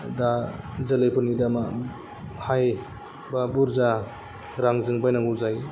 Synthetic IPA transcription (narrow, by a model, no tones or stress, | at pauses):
dazɐlejpʰunidama | haj | babuɾza | ɾaŋzɯŋbajnaŋɡuzaj